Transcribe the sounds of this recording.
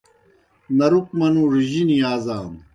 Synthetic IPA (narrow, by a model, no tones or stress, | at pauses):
nɐɾuk̚mɐnuːɾiʑiniaːzaːn